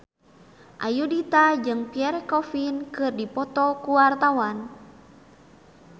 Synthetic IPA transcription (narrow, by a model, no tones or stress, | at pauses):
ʔa̰judit̪ad͡ʒɨŋpiɛɾkɔfinkɨrdipɔt̪ɔkuwart̪awan